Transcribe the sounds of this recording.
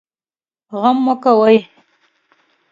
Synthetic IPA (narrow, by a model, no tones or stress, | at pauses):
ɣamːokawaj